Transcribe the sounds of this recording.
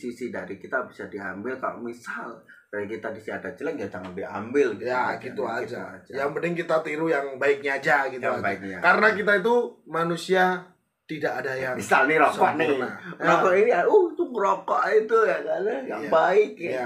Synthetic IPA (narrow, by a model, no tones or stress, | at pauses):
sisidaɾikit̪abisadia̰mbɪlkalo̰misal | daikit̪adisiadat͡ʃələŋɡiad͡ʒaŋanbia̰mbɪljaɡit̪uad͡ʒad͡ʒjaŋbənɪŋkit̪at̪iɾujaŋbaɪk̚ɲaːd͡ʒaɡit̪uabaɪk̚ɲakaɾənak̬it̪̬ait̪̬umanusia | t̪idaʔadajaŋmisalniɾoɔʔnaɾokɔʔiniauht̪uŋɾokɔʔit̪ujaɡanajaŋbaɪk̚a